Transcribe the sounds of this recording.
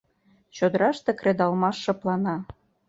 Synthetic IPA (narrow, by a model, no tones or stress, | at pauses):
ɕod̪əɾɑʃt̪ekred̪ɑlmɑʃːɤ̆plɑnɑ